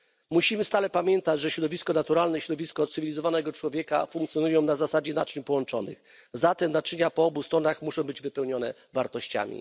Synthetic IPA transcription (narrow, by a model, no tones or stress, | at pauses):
muɕimɘst̪alɛpamʲjɛnt̪ad͡ʑʐɛɕɾɔd̪ɔvʲiskɔnat̪uɾalnɛiɕɾɔd̪ɔvʲiskɔt̪sɨvʲilʲizɔvanɛɡɔt͡ʂwɔvʲjɛka̰fuŋkt̪sjɔnujɔ̃w̃nazasad͡ʑɛnat͡ʂɲpɔwɔnt͡ʂɔ̰nɘ̰x | zat̪ɛmnat͡ʂɲapɔɔbust̪ɾɔnaxmuʂɔ̃w̃bɘd͡ʑvɘpɛwɲɔnɛ̰ | vaɾt̪ɔɕt͡ɕa̰mʲḭ